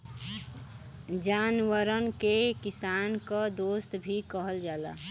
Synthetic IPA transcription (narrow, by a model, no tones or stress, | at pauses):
d͡ʒaːnwəɾənkekisaːnkəd̪ost̪bʱikəɦəld͡ʒala̰